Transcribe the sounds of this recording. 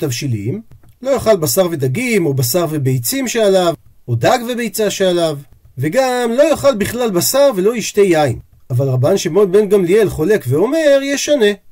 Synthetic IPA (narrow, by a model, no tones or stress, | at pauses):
t̪avʃilḭmlo̞joχalbasaʁve̞d̪aɡimo̞basaʁvebe̞jt͡simʃealav | od̪aɡve̞bejt͡saʃealav | ve̞ɡamlo̞joχalbiχlalbasaʁve̞lo̞iʃt̪e̞jaim | avalʁabanʃemo̞nbe̞nɡamlielχo̞lekveo̞me̞ʁjɛʃane̞